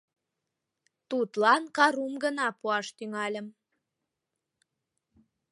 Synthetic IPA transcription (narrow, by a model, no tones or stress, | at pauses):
t̪ut̪lɑnkɑɾumɡənɑpuɑʃt̪yŋɑlʲəm